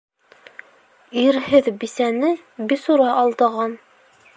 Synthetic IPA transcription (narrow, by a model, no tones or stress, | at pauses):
iɾhɘðbisænɘ | bisuɾɑʔɑlˠd̪ɤ̆ʁɑn